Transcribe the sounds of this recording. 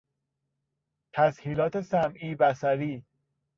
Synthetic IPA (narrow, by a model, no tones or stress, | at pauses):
t̪ʰæshiːlɒːt̪ʰesæmʔiːbæsæɾiː